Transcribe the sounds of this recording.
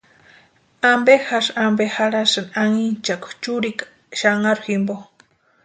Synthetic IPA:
ambexaʃambexaɾasanaŋint͡ʃakʷt͡ʃuɾik | ʃaŋaɾximbo

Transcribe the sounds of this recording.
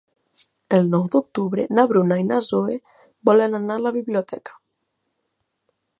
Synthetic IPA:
elnɔwd̪ok̚t̪uβɾenaβɾunainazoe | bɔlenanalaβiβlijot̪ɛkḁ

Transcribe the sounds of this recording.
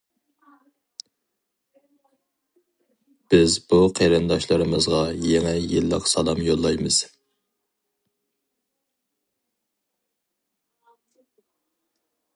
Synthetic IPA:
b̥ɪzbuqʰeɾɨnd̪ɑʃlˠɨɾɨmɨzʁɑjeŋɛjɨlˠːə̰qsɑlˠɑmjolˠːɑjmɨz̥

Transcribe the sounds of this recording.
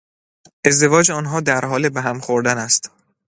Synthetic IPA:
ʔe̞zd̪e̞vɒːd͡ʒeɒːnɦɒːd̪æɾɦɒːlebeɦæmxoɾd̪ænæst̪

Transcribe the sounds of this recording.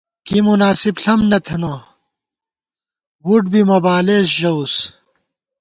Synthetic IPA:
kimunaːsibɬɐmnɐt̪ʰɐna | wuʈbimɐbaːleːs̬ʑɐus

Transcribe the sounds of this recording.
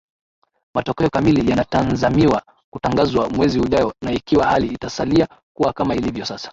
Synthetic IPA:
matɔkɛɔkamilijanatanzamiwa | kutaŋɡazwamwɛzihuʄaɔnaikiwahaliːtasalia | kuwakamailivjɔsasḁ

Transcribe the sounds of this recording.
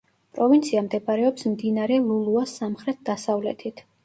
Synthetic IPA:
pʼɾɔvint̪sʰiamd̪ɛbaɾɛɔpsmd̪inaɾɛlˠulˠuasːamχɾɛt̪̚ʰd̪asavlɛ̰t̪ʰit̪ʰ

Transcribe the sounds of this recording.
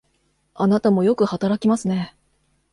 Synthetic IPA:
anat̪amo̞jo̞kɯ̟hat̪aɾakʲimasɨne̞

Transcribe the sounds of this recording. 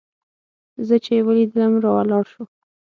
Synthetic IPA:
zət͡ʃewəlid̪ələmɾɑwalɑɾʃu

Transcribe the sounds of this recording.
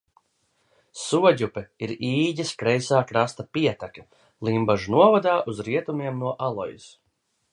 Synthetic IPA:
suɔɟupɛiɾiːɟʲiskɾɛjsaːkɾast̪apiɛt̪akʲɐ | lˠimbaʒunuɔvad̪aːʔuzɾiɛt̪umiɛmnuɔʔalˠɔ̰jḭs

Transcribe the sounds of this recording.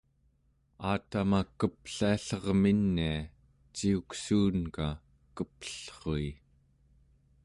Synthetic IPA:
aːt̪amakəpɬiaɬʌʁminːia | t͡ʃiuksuːnka | kəpə̥ɬχoi

